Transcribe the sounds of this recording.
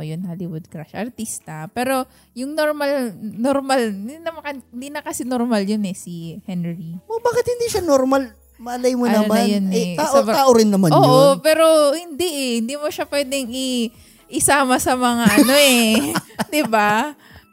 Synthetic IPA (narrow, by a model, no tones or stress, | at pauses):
jʊnhalɪwʊd̪̚kɾaʃʔɐɾt̪ist̪ɐpɛːɾo̞ | jʊŋnoɾmalnoɾmalɪd̪inɐmɐkɐhɪnd̪iːnɐkɐsɛnoɾmaljonɛsihɛnɹiobaːkɪt̪̚hɪnd̪iʃanoɾmal | mɐʔɐlajmonɐɐmannjonɛt̪aːʔoaːʔoɾɪnːɐmanoːʔopɛːɾo̞hɪnd̪ɛʔɛhɪnd̪iːmoʃapwɛːd̪ɛŋi | ʔɪsaːmɐsɐmɐŋaʔɐno̞ɛ | d̪ɪba